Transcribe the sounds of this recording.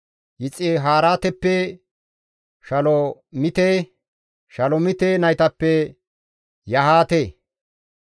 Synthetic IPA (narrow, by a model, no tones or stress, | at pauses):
jɪt͡sʼːɪɦaːɾaːt̪ɛpːɛ | ʃɐlɔmɪt̪eː | ʃɐlɔmɪt̪eːnɐjt̪ɐpːɛ | jɐhaːt̪eː